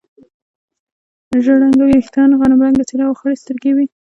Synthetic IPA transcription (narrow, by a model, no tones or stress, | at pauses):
ʒəɽaŋɡawiext̪ɑnɣɑnamɾaŋɡat͡seɾɑwxəɽest̪əɾɡewi